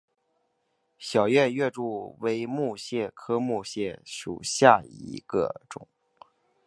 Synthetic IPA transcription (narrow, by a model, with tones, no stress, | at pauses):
ɕjɑ˨˩ʊɥɛ˥˧nɥɛ˥˧ʈ͡ʂu˥˩we˧˥ɪmu˥˧ɕjɛ˥˩kʰɤ˥mu˥˧ɕjɛ˥˩ʂṵ˨˩ɕja˥˩ḭ˧˥ɡ̥ə̰˧ʈ͡ʂʊ̰˨˩˦ŋ